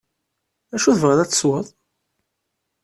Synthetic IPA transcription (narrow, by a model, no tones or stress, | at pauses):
æʃuðvʁəðˤæt͡sːswəðˤ